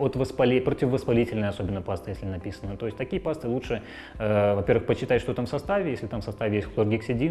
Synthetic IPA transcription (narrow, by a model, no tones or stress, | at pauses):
ot̪vəspɐlʲipɾətʲɪvəvəspɐlʲitʲɪlʲnəjəɐso̞bʲɪnːəpast̪ɨjesʲlʲɪnɐpʲisənət̪o̞ɪsʲtʲt̪ɐkʲijəpast̪ɨlˠuʂɨ | əvɐpʲervɨxpəɕːɪt̪atʲʃʂt̪ot̪amfsɐst̪avʲɪjesʲlʲɪt̪amsɐst̪avʲɪjesʲt̪ʲklˠorɡʲiksʲɪdʲi